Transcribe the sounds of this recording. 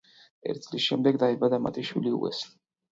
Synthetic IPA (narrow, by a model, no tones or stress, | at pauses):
ɛ̰ɾt̪ʰidz̥lisʃɛmd̪ɛɡd̪aɛbad̪ama̰t̪ʰiʃwiliṵɛ̰s